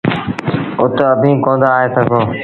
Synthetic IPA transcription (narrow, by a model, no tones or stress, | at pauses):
ʊt̪əbʱĩːkõːnd̪aːɦet̪əɡʱõː